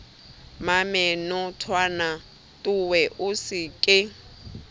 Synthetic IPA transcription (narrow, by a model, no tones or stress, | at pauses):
mamɛnɔtʰwana | tʼʊwɛʔʊsɪkʼɪ